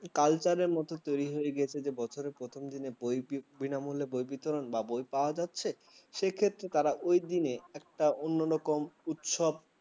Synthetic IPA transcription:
kalt͡ɕaɾeɾmɔt̪ot̪ojɾiɦojeɡɛt͡ɕʰed͡ʑebɔt͡ɕʰoɾeɾpɾot̪ʰomd̪inebojbinamulebojbit̪oɾonbabojpaoad͡ʑat̪ːɕʰe | ʃekʰet̪ːɾet̪aɾaʔojd̪ineɛk̚ʈaonːoɾɔkomut̪ʃob̚

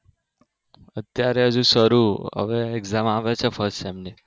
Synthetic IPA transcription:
ət̪jaɾɛɦəd͡ʒũsəɾuə̰ʋeɛɡzamaʋet͡ʃʰefʰəɾsʈɛmni

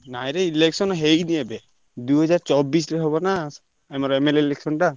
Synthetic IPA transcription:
najɾeileksɔnɔɦejniebe | d̪uɦɔd͡ʒaɾt͡ʃɔbisɾeɦɔβɔna | ɛmɔɾemeleileksɔnʈa

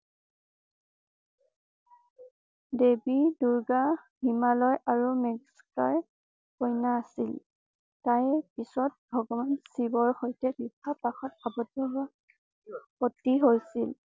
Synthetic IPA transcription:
debiduɹɡahimalɔjaɹumɛɡskaɹ | pojnaːsil | tajpisɔt̚bʱɔɡɔbansibɔɹxojtɛɡikʰːapaxɔtabɔdɔɡa | potiɦojsil

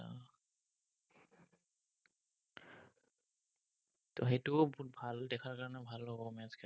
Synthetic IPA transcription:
tɔɦetubut̚bʱaldɛkʰaɹkaɹɔnɛbʱalːɔbɔmɛzkɛ

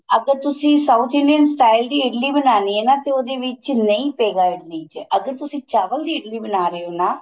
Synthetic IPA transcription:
əɡəɾt̪ʊsĩːsaut̪ʰɪɳɖiənsʈaːɪld̪iːɪɖliːbənaːnienaːt̪eoːd̪eːʋɪt͡ʃnəĩːpeːɡaːɪɖliːt͡ʃeʔəɡəɾt̪ʊsĩːt͡ʃaːʋəld̪iːɪɖliːbənaːɾəoːnaː

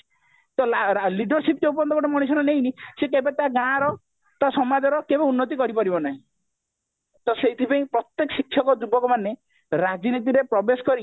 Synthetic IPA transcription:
t̪ɔlaɾliɖɔɾsipd͡ʒeup̬ɔnd̪ɔkɔʈemɔɽ̃isɔnɔneinĩsekebet̪aɡãɽ̃ɾɔ | t̪asɔmad̪ʱɔɾɔkebɔ̃unːɔt̪̬ikɔɾipɔɾibɔnaɦĩ | t̪ɔseit̪ʰipaĩpɾɔt̪jekɔsikʰːɔkɔd͡ʒubɔkɔmane | ɾad͡ʒinit̪iɾepɾɔbesɔ̥kɔɾi

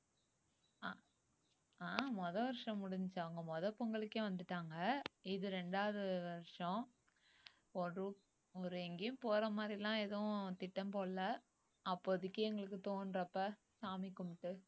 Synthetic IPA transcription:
a | aːmɔðɐʋɐɾʂɐ̃mʊɽɪɲd͡ʒt͡ʃːɐʋɐŋɡɐmɔðɐpːɔŋɡɐɭɯkːeːʋɐnd̪ɯʈːaːŋɡɐɪðɯɾɛɳɖaːʋɐðɯʋɐɾʂɔ̃ | ɔɯ | ɔɾɯɛŋɡejʊ̃mpoːɾɐmaːd̪ɾɪlãːɛðɐ̃t̪ɪʈːɐmpoːɐ | ɐpːoːðɪkːɐɛŋɡɐɭɯk̬ːɯt̪oːnɾɐpːɐ | saːmɪkːʊmʈːɯ

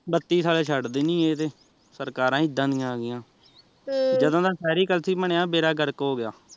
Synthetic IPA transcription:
bət̪ːiːsaːleːt͡ʃʰəɖd̪eːnĩːeːt̪eː | səɾkaːɾãːɪd̪ːãːd̪ɪjãːɡɪjãː | d͡ʒəd̪õːd̪aːsɛːɾiːkəlsiːpəɳejaːbeːɾaːɡəɾkoːɡɪjaː

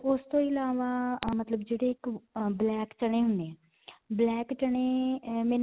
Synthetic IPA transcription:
ʊst̪õːɪlaːʋaːmət̪ləbd͡ʒeːɽeːɪkblɛːkt͡ʃəɽ̃eːɦʊnd̪eɛ̃ː | blɛːkt͡ʃəɽ̃eːmɛ̃ː

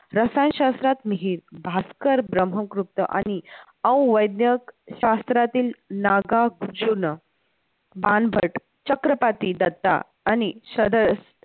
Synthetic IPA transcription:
ɾəsanɕast̪ɾat̪miɦiːɾbʱaskəɾbɾəm̤əkɾup̚t̪ə̰ʔa̰ñi | ə̃w̃ʋəjd̪njəkɕast̪ɾat̪iːlnaɡaɡud͡ʑunə | banbʱəʈ | t͡ɕəkɾəpat̪id̪ət̪ːa̰ː | niɕəd̪əs

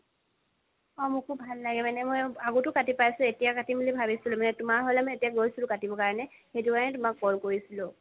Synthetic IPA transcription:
ɔmʊkʰub̚ʱalːaɡɛmanɛmojaɡotʊkatipajsʊetijakatimilibʱabisilʊmanɛtʊmaɹɦolɛmɔetijaɡojsilʊkatibɔkaɹɔnɛ | xetuanɛtʊmak̚bɔlkoɹisilʊ̃

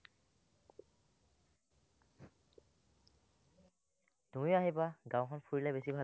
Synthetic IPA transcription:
d̥ũiaɦebaɡãw̃kʰɔnpʰuɹilabesibʱa

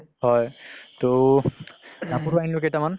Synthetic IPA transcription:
ɦɔjt̪o | napuɹajnloketaman

